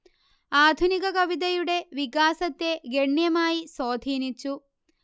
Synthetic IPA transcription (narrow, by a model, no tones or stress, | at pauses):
aːd̪ʱunikɐkɐʋid̪ɐjuɽe̞ʋikaːsɐt̪ːeɡeɳːjɐmaːjisoːd̪ʱiːnit͡ʃːu